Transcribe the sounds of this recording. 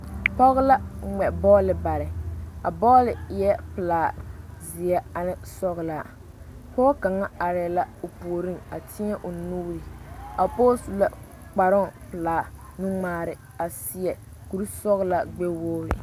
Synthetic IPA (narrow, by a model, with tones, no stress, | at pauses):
pɔ˦ɣʊ˦la˦ŋ͡mɛ˨bɔː˦lɪ˨ba˨ɾɪ˨a̰˨bɔː˦lɪ˨jɛ˦pɨ˨laː˨zɪ˨ɛ˦a˨nɪ˦sɔ˦ɣɪ˨la˦˨ | pɔː˦ka˨ŋa˦a˨ɾla˦o˨pu˨o˨ɾi˦na˨tʰɪ˦ɲɛ˦ʔʊ˨nu˦ɣɾi˨a˨po˦su˨la˨ | k͡pa˨ɾʊ˦˨pɨ˨laː˨nu˦ŋ͡maː˨ɾɪ˨ | a˨sɪ˦ɛ˨ku˨ɾu˦sɔ˦ɣɪ˦la˨ɡ͡be˦woː˦ɾɪ̰˨